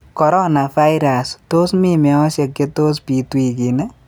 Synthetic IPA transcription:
kɔ˨ɾɔ˦na˨fa˦jɾa˨sto˦smi˦mɛ˨ɔ˦sje˨kːe˦to˦s̬pi˨twi˨ki˨nɛ˦

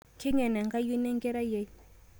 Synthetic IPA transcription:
kʰɛ˦ɲɛ˨na˨ŋɡa˦ju˦nɛ˦ŋɡɛ˦ɾa˦jɛ˨

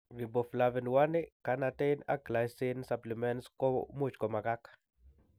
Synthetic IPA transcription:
ɾi˨bo˨flavɛ˨nwa˦nɪka˨˦na˨te˦jna̰˦kla˨jsɪ˦nsa˨pli˨mɛnskɔmu˦t͡ʃkɔ˨ma˨ɡa˦k

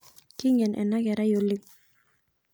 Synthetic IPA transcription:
kɪ˦ŋɛ˨nʔɛ̰˨nːa˦kɛ˨ɾa˦jolːi˦ŋ

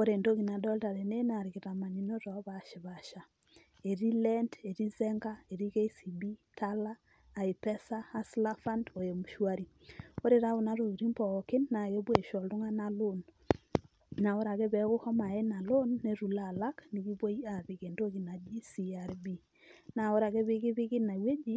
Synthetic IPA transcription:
o˦ɾe˨ndo˦ki˨na˨dɔ˦lta˨ɾe˨ne˦na˨ɾi˨kɪ˨ta˨ma˨ni˨no˦tɔ˨˦βa˨ʃɪ˨βa˨ʃa˨ | e˨ɾi˦lɛ˦nde˨ɾi˦zɛ˦ŋɡa˦e˨ɾi˦ke˦i˦si˨bi˦tʰa˦laː˦˨ | i˨pɛ˦saː˦˨sla˦fa˦ndo˨je˨mu˨ʃwa˦ɾi˨ | o˦ɾe˨ɾa˦o˨na˦ɾo˨ɾi˦mbɔ˨kɪ˦nːa˨jo˦bwe˦˨ʃɔ˨ltʊ˦ŋa˦na˦lo˦n | na˨o˦ɾa˨ɣɛ˦βɛ˨kʊ˦hɔ˦ma˨e˦na˨lo˦nːe˨ɾu˨la˦˨la˦kni˨ki˦βo˦ja˨βɪ˨ɣe˨ndo˦ɣi˨na˨d͡ʒi˦si˨a˨ɾbi˦ | na˨o˦ɾa˨ke˦βɪ˦ɣɪ˦βɪ˦kɪ˦na˨we˦d͡ʒi˦

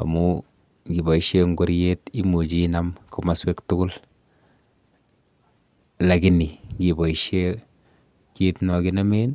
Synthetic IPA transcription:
a̰˨mu˦ | ɡi˨bɔ˨i˦ʃe˦ŋɡo˦ɾje˦ti˦mu˨t͡ʃi˦na˦mku˦ma˦swe˦ktʊ˦kʊ˦l | la˨ɡi˦ni˨ŋɡi˨bɔ˨i˨ʃe˦ | ki˦tnɔ˨ki˦na˦me˦n

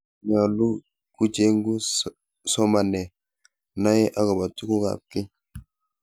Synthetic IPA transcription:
ɲa˨lu˦ | ku˦d͡ʒe˦ŋ˦ɡu˦ | sɔ˦ma˨nɛ˨ | na˦jɛ˦ʔa˦kɔ˨ba˨tu˦ku˦ka̰˨p̚ki˦

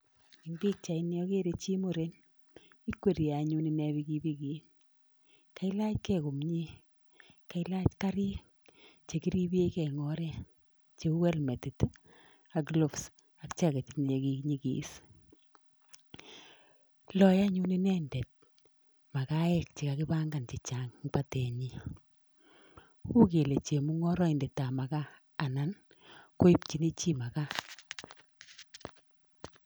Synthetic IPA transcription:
i˨ŋbi˦k̚t͡ʃa˨i˦njɔ˦ke˦ɾe˨t͡ʃi˦mo˦ɾe˦n | i˦kwe˨ɾi˨a˨ɲu˦ni˨ne˨˦bi˦ki˦bi˦ki˨˦n | ka˨˦ɪ˦la˦t͡ʃkɛ˨kʊ˨mɲi˦ | ka˨ɪ˦la˦t͡ʃka˦ɾɪ˦ | t͡ʃe˨ki˦ɾi˦bi˦e˦kɛ˨ŋɔ˦ɾɛ˦ | t͡ʃe˨˦wɛ˦lme˨ti˨t | a˨klo˨fs | a˨kt͡ʃa˦ke˨tin˨le˨ki˦kɲi˦kḭ˨˦s | lɔ˦ja˦ɲu˦ni˦nɛ˦ndɛ˨t̚ | ma˨ka˦ɛ˦k̚t͡ʃi˨ka˦kɪ˦ba˦ŋɡa˨nt͡ʃɪ˨t͡ʃa˨ŋba˨tɛ˨ɲi˨ | ku˦ke˨le˨t͡ʃe˨mu˦ŋɔ˦ɾɔ˦ɪ˨ndɛ˨ta˨ma˨kaː˦˨ | na˦n | ko˦i˦pt͡ʃi˨ni˦t͡ʃi˦ma˨ka˦

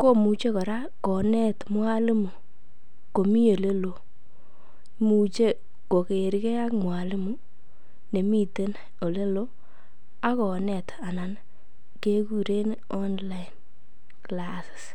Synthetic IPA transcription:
ko˦mu˨t͡ʃe˦kɔ˨ɾa˦ | kɔ˨nɛ˦tmwa˦lɪ˦mu˨ | ko˨mi˦o˨le˦lo˨ | mu˨t͡ʃe˦ | ko˨ke˨ɾkɛ˦ja˦kmwa˨lɪ˦mu˦ | ne˨mi˦te˦n | o˨le˦lo˦ | a˦kɔ˨nɛ˨ta˨na˨n | ke˦ku˦ɾe˦n˦ | ɔ˦nla˦ɪ˨n | klasɪ̥˨s

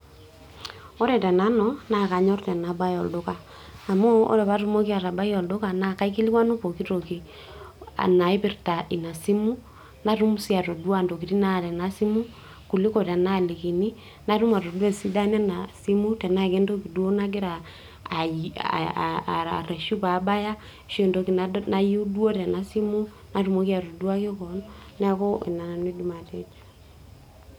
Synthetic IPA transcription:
ɔ˦ɾɛ˨tɛ˨na˦nɔ˨na˨ka˨ɲɔ˦rtɛ˨na˨ba˦jɔ˨ldo˦kaː˨ | mo˦o̰˦ɾɛ˨βa˦ɾu˦mo˦ki˦a˨ɾa˨ba˦i˦ɔ˨ldo˦ka˨na˦ka˦i˦ki˦li˦kwa˦no˦po˨ki˦to˨ki˨ | a̰˨na˨i˦pi˦rta˨ʔi˨na˨si˦mu˦ | na˦ru˦mu˦si˦a˨to˨dwa˦˨ndo˨ki˨ɾi˦na˦˨tɛ˨na˦si˦mu˦ | ku˨li˦ko˨tɛ˨na˦˨li˨ki˨ni˦ | na˦ɾu˦ma˨ɾo˨dwɛ˦˨si˦da˦nɛ˦na˨si˦mu˦tɛ˨na˦ke˦ndo˦ki˨dwo˦na˦k̬ɪ˦ɾaː˨ | a̰˨ɾɛ˨ʃu˦pa˨˦ba˦ja˦ | ʃe˨ndo˨ki˨na˦na˦ju˦dwo˦ɾɛ˨na˦si˦mu˦ | na˦ɾu˨mo˨˦ki˦a˨ɾo˨dwa˦ke˦kɔ˨n | nɛ˦kɔ˦ḛ˨na˨na˨ne˦du˦ma˨tɛ˦t͡ʃḁ

